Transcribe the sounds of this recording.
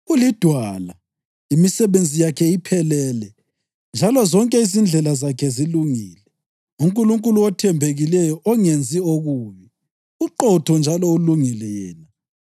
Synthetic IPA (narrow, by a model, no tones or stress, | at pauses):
ulid̥ʱwala | imisɛβend͡zʱijakʰɛipʰɛlɛlɛ | nd͡ʒʱalɔzɔŋkʼɛizind͡ɮʱɛlazakʰɛziluŋiːlɛ | uŋkʼuluŋkʼuluɔtʰɛmbʱeɣilɛjɔʔɔŋend͡zʱioɣuːβɛ | uǃɔtʰɔnd͡ʒʱalɔuluŋilɛjɛːna